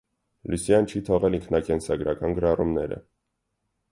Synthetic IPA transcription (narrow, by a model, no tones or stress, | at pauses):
lusijɑnt͡ʃʰit̪ʰɔʁɛliŋkʰnɑkɛnsɑɡɾɑkɑnɡəɾɑrʔumnɛ̰ɾə̰